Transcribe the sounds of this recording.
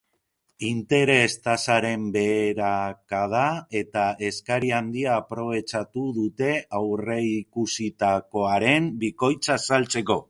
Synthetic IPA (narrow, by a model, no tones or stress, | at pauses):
int̪e̞ɾe̞st̪asaɾe̞mbe̞ːɾakað̞ae̞t̪ae̞skaɾiand̪iaːpɾo̞β̞e̞t͡ʃat̪uðut̪e̞awre̞ikusit̪ako̞aɾe̞mbiko̞jt͡sasalt͡se̞ko̞